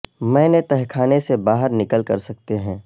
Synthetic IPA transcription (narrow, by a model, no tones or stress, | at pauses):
mɛ̃ːnet̪ɛɦkʰaːnesebaːɦəɾnɪkəlkɐɾsɐk̚t̪eɦɛ̃ː